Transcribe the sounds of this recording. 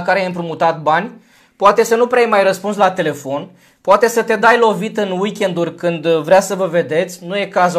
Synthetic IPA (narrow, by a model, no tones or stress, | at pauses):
kaɾejajɨmpɾumut̪at̪̚banʲ | poat̪e̞sənupɾeajmajrəspunslat̪e̞le̞fo̞n | poat̪e̞sət̪e̞d̪ajlo̞vit̪ɨnwikʲe̞nd̪urʲkɨnd̪vɾʲeasəvəve̞d̪e̞t̪sʲnuje̞kaz